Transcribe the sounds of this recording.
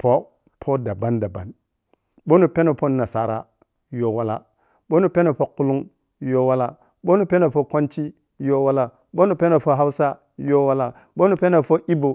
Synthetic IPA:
po˦ | pʰo˦da˨ba˦nda˨ba̰˨n | ɓo˦nu˨pe˦na˨po˦na˨sa˨ɾa̰˦ | jo˦wa˦la̰˦ | ɓo˦nu˨pe˦na˨po˦ku˦lu˦ŋ | jo˦wa˦la˦ | ɓo˦nu˨pe˦na˨fo˦ko˦nt͡ʃi˦ | jo˦wa˦la˦ | ɓo˦nu˨pe˦na˨po˦ɦa˦wsa˦ | jo˦wa˦la˦ | ɓo˦nu˨pe˦na˨fo˦ʔi˦bo˨

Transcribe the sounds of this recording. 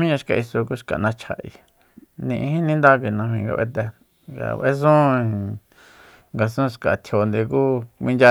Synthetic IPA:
mĩ˦ɲã˧ʃka˧ʔi˧so˧ku˦ʃka̰˨nã˧t͡ʃʰa˧˨ʔḭ˧ | nĩ˧ʔĩ˧hĩ˦nĩ˦nd̪a˦ke˧˨˧nã˧mĩ˧ŋɡa̰˧βḛ˧t̪ɛ˧ | ɡa̰˧βʔe˦s̬ũ˦ | ŋɡa˧sũ˦ʃka˨t̪ʰjo˨nd̪e˧kuː˦kʷĩ˧nd͡ʒa˧

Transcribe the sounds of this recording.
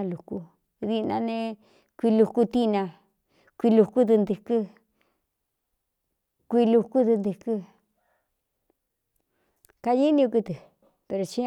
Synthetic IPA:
a˧lu˨ku˧ | ði˧nã̰˧nẽ˧ | kʷi˧lu˧ku˧t̪i˦˧nã˧ | kʷi˧lu˧ku˦t̪ɨ˧nd̪ɨ˧kɨ˦ | kʷi˧lu˧ku˦t̪ɨ˧nd̪ɨ˧kɨ˧ | ka˧ji˦nĩ˧u˧ku˧t̪ɨ˨ | pe˧ɾo˨˧t͡ʃi˦

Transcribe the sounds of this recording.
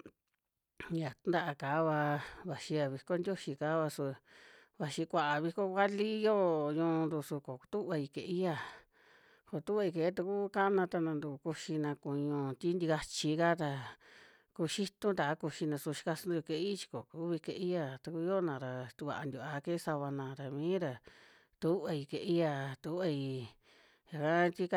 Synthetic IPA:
ja˨t̪u˧˦nd̪a˦ʔa˧kaː˨˦βa˧βa˧ʃi˧ja˧βi˧ko˦ndʲjo˦ʃi˧ka˨˦βa˧su˧βa˧ʃi˧kʷa˧ʔa˨βi˧ko˦kʷa˦li˦˧joː˦ɲũː˧nd̪u˧su˧ko˨˧t̪u˦βa˧i˧ke˧˨i˦ja˧˨ | ko˨t̪u˦βa˧i˧ke˧˨˦t̪u˧ku˦ka˦ʔnã˧t̪a˧nã˧nd̪u˧ku˧ʃi˧nã˧kũ˧ɲũ˧t̪ʲi˦nd̪i˧ɣa˧t͡ʃi˧ka˦t̪a˧ | ku˧ʃi˦t̪ũ˦d̪a˨˦ku˧ʃi˧nã˧su˧ʃi̥˧ka˧su˦d̪u˧ke˧i˦t͡ʃi̥˧ko̰˨kuː˨˦βi˧ke˧ʔi˦ja˧˨t̪u˧ku˧˦jo˦nã˨˧ɾa˧t̪u˧βa̰˧˨a˧nd̪ʲu˧˨a˧ke˦sa˧βa˧nã˧ɾa˨mĩː˦ɾa˧ | t̪u˦βa˧i˧ke˧ʔi˦ja˧t̪u˧˦βa˧i˧ | ja˨ka˦t̪i˦k

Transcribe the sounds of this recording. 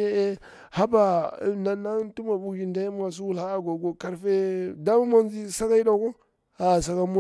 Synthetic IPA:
e˦e˦ | ha˦ba˨na˨na˦tu˦ma˨bu˨ɡi˨nda˦ji˦m˦a˨s̬u˦wu˦lha˦ɡo˨ɡo˨ka˨ɾfe˦da˦ma˦ma˦n˦d͡ʒi˦sa˦ka˦i˦da˨˦ko˦ | a˨s̬a˨ka˨mu˦

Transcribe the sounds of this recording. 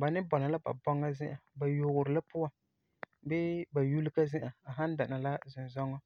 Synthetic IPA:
ba˨nɪ˦bɔ˨na˨la˦ba̰˨bɔ˦ŋːa˦zɪ˦ʔa˨ba˨jʊ˨ɣʊ˨ɾɪ˨la˦pʊ˦wa˨ | bɛ˦ba˨ju˦li˦ka˦zɪ˦ʔa˨a˨ɦa˦n˦da˨na˨la˦zʊ˨n˨zɔ˦ŋːɔ˦

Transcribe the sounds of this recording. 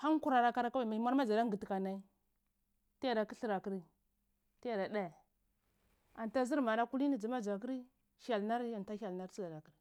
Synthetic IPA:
ha˦n˦ku˦ɾa˨ɾa˨ka˦ɾa˦ka˦wa˨ma˨˦ma˦ɾma˦d͡ʒa˨da˦ŋ˦ɡi˨ti˨ka˨na˨˦i˦ | ti˦ja˦˨da˨ki˦ɬi˦ɾa˨ki˦ɾi˦ | ti˦ja˨da˨ɗa˦˨ | a˨n˨ta˦zi˦ɾma˨ɾa˦ku˦li˦ni˨d͡zi˨ma˦d͡ʒa˨k̬i˦ɾi˦ | ha˨lna˦ɾa˨n˨ta˦a˨lna˦ɾi˦za˨da˨ki˨ɾi˨

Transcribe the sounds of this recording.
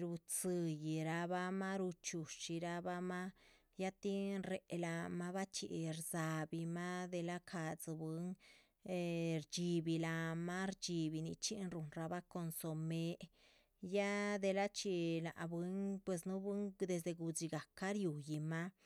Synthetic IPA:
ɾu˧t͡sɨ˧ji˧ɾa˧ba˦ma˦ɾu˧t͡ʃu˨t͡ʃi˧ɾa˧ba˦ma˦ | ja˦t̪i˦nɾe˨˧la˧ma˦ba˦t͡ʃḭ˨ɾza˧bi˧ma˦d̪e˧la˦kʰa˧d͡zɨ˧bɨ˧˦ŋ˧ | ɾd͡ʒi˧bi˧la˧ma˦ɾd͡ʒi˧bi˧ni˧t͡ʃi˦nɾu˧nɾa˧ba˦ko˧nso˧me˧ | ja˦d̪e˧la˦t͡ʃi˧na̰˨bwɨ˦ŋpwe˧snu˦bɨ˦ŋd̪e˧s̬d̪e˧ɡu˧d͡ʒi˧ɡa˨ka˦ɾju˨ji˧ma˦

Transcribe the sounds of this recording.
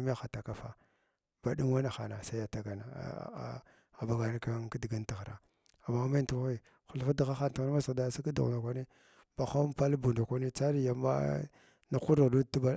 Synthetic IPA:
m˦a˦xa˨ta˨ka˨fa̰˦ | b̥a˨ɗi˦ŋwa˦na˨xa˨na˨sa˦ja˨ta˨ɡa˨na̰˨ | a˨ba˨ɡa˨ni˦ka˦ki˦di˨ɡa˦nti˨ɣɾa̰˨ | a˨ma˦ma˦ntu˦i˦˨ | xu˨lfa˦di˨ɣa˦xa˦n˨ti˨ɣa˦ma˦sda˨˦si˦ki˦dṵ˨na˨kʷa˦ni˦ | ba˨xa˦m˦pa˦lbu˨nda˨kʷa˦ni˦t͡sa˦ɾi˦ja˨ma̰˦ | na˨ku˦ɾi˨ɣdu˦ti˦ba˦

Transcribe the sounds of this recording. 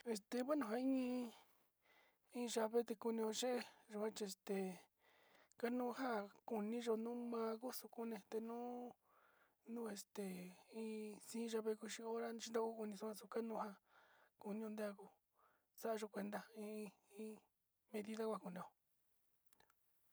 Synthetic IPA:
e˧st̪e˧˨βʷa˦nũ˧ɦã˧ĩ˦ĩ˧ | ĩː˦˧ʒa˧βe˦t̪e˧ku˧nĩ˧õ˧ʒe˦ʔe˦˧ʒo˧ã˦t͡ʃi˧e˧st̪e˨ | ka˦nũ˦ɦa˦ku˧nĩ˦ʒo˧nũ˦mã˧ku˦su˧ku˦nẽ˧t̪e˧nũ˦ | nũ˦e˧st̪e˨ĩ˧sĩː˦˧ʒa˧βe˧ku˧ʃi˧o˦ɾa˦˧ʃi˦nd̪a˧ku˦˧ku˧nĩ˧su˧kã˧su˧ka˦nũː˦˧ha˧ku˧nĩ˦õ˧d̪e˦a˧ku˧ | sa˦ʔa˧ʒo˧kʷe˧nd̪a˧ĩ˧ĩ˦ | mẽ˧ði˦˧ða˦kʷa˧˨ku˧nĩ˧o˧˨˧

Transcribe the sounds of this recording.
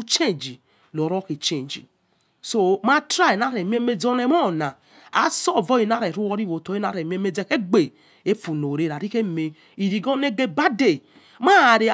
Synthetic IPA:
u˦t͡ʃe˦nd͡ʒi˨ | lo˨ɾɔ˦ke˨t͡ʃe˦˨n˨d͡ʒḭ˨ | so˦ma˦tɾa˦˨i˨na˦ɾe˨m˦e˦me˦d͡zɔ˦ne˦mɔ˦˨na˨ | a̰˨sɔ˦˨vɔ˦i˨na˦ɾe˨ɾu˦wɔ˦ɾi˦wo˨to˨˦i˦na˦˨ɾe˨m˦e˦me˦d͡ze˦˨ke˦ɡ͡be˨ | e˦fu˨no˨ɾe˦˨ɾa˨ɾi˦ke˦˨me˨ | i˨ɾi˨ɡɔ˦ne˦ɡe˦ba˦de˨ | ma˦˨ɾe˨˦

